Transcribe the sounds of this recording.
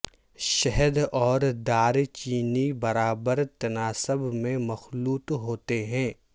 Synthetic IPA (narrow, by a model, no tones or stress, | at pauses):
ʃɛɦəd̪ɔːɾd̪aːɾt͡ʃiːnibɐɾaːbəɾt̪ɐnaːsəbmẽmɐxluːt̪ɦoːt̪eɦɛ̃ː